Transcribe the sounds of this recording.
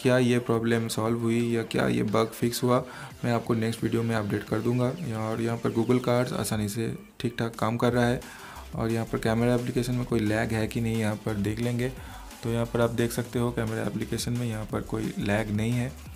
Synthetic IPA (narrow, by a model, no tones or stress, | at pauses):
kjaːjepɾɔːbleːmsaːlʋɦʊijakja̰ːjḛbɐɡfɪksɦua | mɛ̃ːaːp̚konɛksʈʋiːɖijomẽɐp̚ɖeːʈkɐɾd̪ũːŋɡaɔːɾjɐɦãpɐɾɡuːɡəlkaːɾɖza̰ːsaːnise | ʈʰiːk̚ʈʰaːkːaːmkɐɾːaaɦɛː | ɔ̰ːɾjɐɦãpɐɾkɛːməɾaɛp̬lɪkeːʃənmẽkoːilɛːɡɦɛkinɐɦĩjɐɦãpɐɾd̪eːkʰlẽːŋɡeː | t̪ojɐɦãpɐɾaːp̚d̪eːkʰsɐk̚t̪eɦokɛːmɛɾa̰ɛ̰ːplɪkeːʃənmẽjɐɦãpɐɾkoːḭlɛːɡnɐɦĩɦɛː